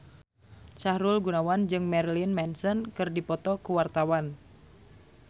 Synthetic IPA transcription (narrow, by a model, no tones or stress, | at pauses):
t͡ʃahɾulɡunawand͡ʒɨŋmɛrlinmɛnsɔnkɨrdipɔt̪ɔkuwart̪awan